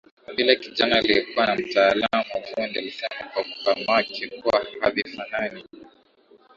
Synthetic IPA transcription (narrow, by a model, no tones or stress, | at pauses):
ɓilakiʄanaːliɛkuwanam̩taːlamuahundɛlisɛmakwakupamakʰɛkuwahaðifanani